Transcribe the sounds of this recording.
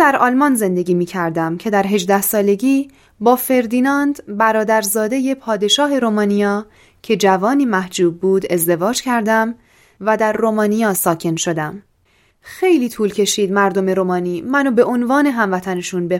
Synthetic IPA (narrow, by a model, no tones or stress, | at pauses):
d̪æɾɒːlmɒnze̞nd̪e̞ɡʲiːmiːcʰæɾd̪æmcʰe̞d̪æɾɦe̞d͡ʒd̪æhsɒːle̞ɟiː | bɒːfe̞ɾd̪iːnɒnd̪bæɾɒːd̪æɾzɒːd̪e̞je̞pʰɒːd̪e̞ʃɒːɦe̞ɾomɒːnijɒː | cʰe̞d͡ʒævɒːniːmæhd͡ʒuːb̚ːuːd̪e̞zd̪e̞vɒːd͡ʒcʰæɾd̪æm | væd̪æɾːomɒːnijɒːsɒːkcʰe̞nʃo̞d̪æm | xe̞jliːt̪ʰuːlcʰe̞ʃiːd̪mæɾd̪o̞me̞ɾomɒːniːmænobe̞ʔonvɒːne̞ɦæmvæt̪ʰæne̞ʃunbe